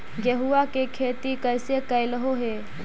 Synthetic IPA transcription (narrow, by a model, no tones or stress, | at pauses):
ɡəɦuakekʰeːt̪ikəjsekəjləɦoɦe